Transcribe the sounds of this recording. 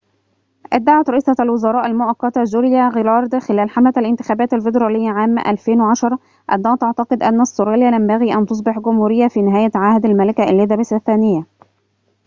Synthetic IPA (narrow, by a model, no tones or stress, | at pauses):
ʔad̪ːaʕat̪ɾˤɑʔiːsˤɑælwɪzɑɾˤɑːʔalmʊʔækːɑt̪azuɾjæɣɪlɑɾˤd̪xɪlæːlħamæt̪ælʔɪnt̪ɪ̥xæːbæːt̪ælfɪd̪ɾˤɑːlɪjːaʕaːmʔæ̰lfeːnwʕɑʃɑɾˤ | ʔæ̰d̪ːɑːɣt̪ɑʕt̪ɑqɨd̪ʔænːæsːoɾɑːljælæmbæɣiːʔænt̪os̬ˤbɪħɡʊmhuːɾɪjːæfiːnɪɦæːjæʕahd̪almælɪkæʔlːɪðæbɪsæθːæːnɪjːæ